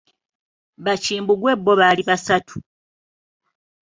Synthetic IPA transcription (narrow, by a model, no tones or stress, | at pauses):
βaciːmbuɡwe̞bːo̞βaliβasatʰu̥